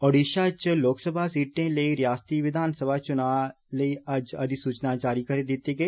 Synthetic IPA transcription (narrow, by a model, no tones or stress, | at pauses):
ɔːɖiːʃat͡ʃloːksəbʱasiːʈẽləiɾjaːst̪iːʋɪd̪ʱaːnsəbʱaːt͡ʃʊnaː | ləiɐd͡ʒɐd̪isuːt͡ʃnaːt͡ʃaːɾikɐɾed̪ɪt̪eɡeː